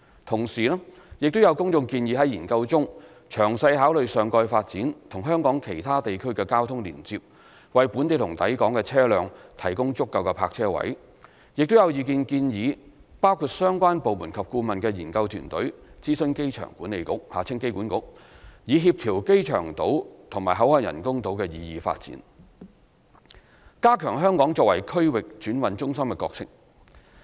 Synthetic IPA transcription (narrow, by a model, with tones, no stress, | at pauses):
t̪ʰʊ˨˩ŋsiː˨nɛ˥ | jɪ˨k̚t̪o˥wjɐ˨˧wkʊ˥ŋt͡sʊ˧ŋkiː˧njiː˨˧ɦɐ˨˥jiː˨˩nkɐ˧wt͡sʊ˥ŋ | t͡ʃʰœː˨˩ŋsɐ˧jhaː˨˥wlɵ˨ɥsœː˨ŋkɔː˧jfaː˧t̚t͡siː˨˥nt̪ʰʊ˨˩ŋɦœː˥ŋkɔː˨˥ŋkʰe˨˩jt̪ʰaː˥t̪e˨jkʰɵ˥ɥkɛː˧kaː˥wt̪ʰʊ˥ŋlḭː˨˩nt͡si˧p̚ | wɐ˨jpuː˨˥nt̪e˨˧jt̪ʰʊ˨˩ŋt̪ɐ̰˨˥jkɔː˨˥ŋkɛː˧t͡sʰɛː˥lœː˨ŋt̪ʰɐ˨˩jkʊ˥ŋt͡sʊ˥kːɐ˨˧wkɛː˧pʰaː˧k̚t͡sʰɛː˥wɐ̰˨˥j | jɪ˨k̚t̪o˥wjɐ˨˧wjiː˨˧kiː˧nkiː˧njiː˨˧paː˥wkʰuː˧t̚sœː˥ŋkʷaː˥npo˨wmuː˨˩nkʰɐ˨p̚kuː˧mɐ˨nkɛː˧jiː˨˩nkɐ˧wt̪ʰyː˨˩nt̪ɵ˨˥ɥt͡siː˥sɵ˧nke˥jt͡ʃʰœ̰ː˨˩ŋkuː˨˥ne˨˧jkʊ̰˥k̚ha̰ː˨˩t͡sʰɪ˥ŋke˥jkuː˨˥nkʊ̰˧˥k̚jiː˨˧ɦiː˧p̚t̪ʰiː˨˩wke˥jt͡ʃʰœ̰ː˨˩ŋt̪o˨˥wt̪ʰʊ˨˩ŋmaː˨jɦɐ˨˥whɔː˧jjɐ̰˨˩nkʊ˥ŋt̪o˨˧˥wkɛː˧jiː˨˧jiː˨˧fa̰ː˧t̚t͡sḭ˨˥n | kaː˥kʰœː˨˩ŋɦœː˥ŋkɔː˨˥ŋt͡sɔː˧k̚wɐ˨˩jkʰɵ˥ɥwɪ˨k̚t͡ʃyː˨˥nwɐ˨˥nt͡ʃʊ˥ŋsɐ˥mkɛ˧kɔ̰ː˧k̚sɪ̰˨k̚